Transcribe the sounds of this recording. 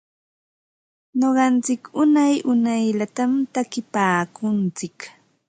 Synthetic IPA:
ɲoɢɑnt͡sɪkʊnajʊnajʎat̪amt̪akɪpaːkʊnt͡sɪk

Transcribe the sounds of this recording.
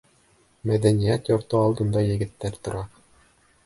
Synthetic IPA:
mæðænijæt̪joɾt̪ɤɑlˠd̪ɤ̆nd̪ɑjɘ̆ɡɘ̆t̪ːæɾt̪ŏɾɑ

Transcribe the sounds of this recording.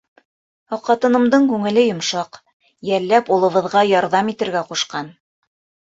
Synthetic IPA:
ɑqːɑt̪ɤ̆nɤ̆md̪ɤɴkʉŋɘ̆lɘjŏmʃɑq | jælːæpulˠɤ̆βɤ̆ðʁɑjɑɾðɑmit̪ɘ̆ɾɡæquʃqɑn

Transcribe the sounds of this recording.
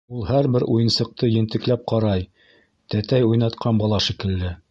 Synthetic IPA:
ulˠhæɾbɘɾʔujɤ̆nsɤ̆q̚t̪ɤjɘ̆nt̪ɘ̆klæp̚qɑɾɑj | t̪æt̪æjujnɑt̪qʰɑnbɑlˠɑʃikɘ̆ld̪ɘ

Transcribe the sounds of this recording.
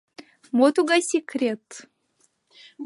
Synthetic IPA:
mot̪uɡasʲekʰrʲet̪

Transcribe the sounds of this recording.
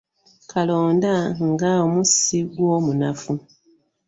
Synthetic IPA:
kʰalo̞ːndaŋɡaomusiɡwomunafu

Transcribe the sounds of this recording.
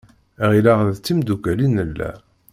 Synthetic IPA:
ʁilaʁððt͡sːimd̪ukælinəlːæ̰

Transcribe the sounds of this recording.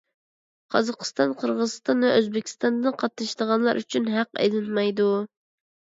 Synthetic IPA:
qʰɑzɑqʰə̥st̪ɑnqʰəɾʁəzɨst̪ɑnvɛøzbɪkʲʰi̥st̪ɑnd̪ɨnqʰɑt̪nɨʃd̪əʁɑnlˠɑɾʔyt͡ʃʰynɦæqɛ̰lɪnmɑjd̪u

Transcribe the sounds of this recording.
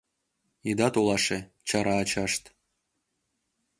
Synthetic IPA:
id̪ɑt̪ulˠɑʂe | t͡ɕɑɾɑːt͡ɕɑʂt̪

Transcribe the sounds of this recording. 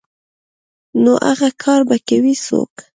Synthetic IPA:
noʔaɣakʰɑɾbakawiso̰k

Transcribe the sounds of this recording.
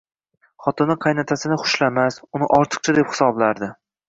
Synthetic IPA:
χɒt̪ɪnːɪqʰɑjnat̪ʰasɪnɪχʊ̥ʃlamasʊnɪʔɒɾt̪ʰɨ̥q̚t͡ʃʰad̪e̞pχɪ̥sɒblaɾd̪ɪ

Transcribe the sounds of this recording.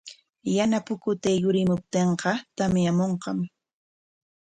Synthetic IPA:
janapʊkʊt̪ajʊɾɪmʊp̚t̪eɴqɑt̪amjamoɴqɑm

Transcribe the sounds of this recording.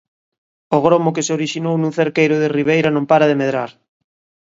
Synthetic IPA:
oɣ̞ɾomok̬eseoɾiʃinownũŋθeɾkejɾʊðeriβ̞ejɾanõmpaɾaðemeðɾaɾ

